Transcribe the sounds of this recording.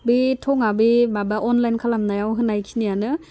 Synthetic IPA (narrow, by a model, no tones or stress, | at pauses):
bitʰɔŋabibabaʔɔnlajnkʰalamnajawɦɯnajkʰinijanɯ